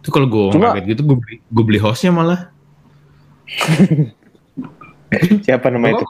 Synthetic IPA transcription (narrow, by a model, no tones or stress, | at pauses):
t̪ukaloɡuauakɛt̪̚ɡit̪uɡuabliɡuabəliɦɔsɲamalah | siapanamait̪u